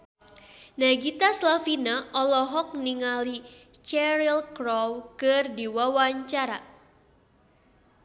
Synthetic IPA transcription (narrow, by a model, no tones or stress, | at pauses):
naɡit̪aslafinaʔɔlɔɦɔk̚niŋalit͡ʃɛɾilkɾɔwkɨrdiwawaɲt͡ʃaɾa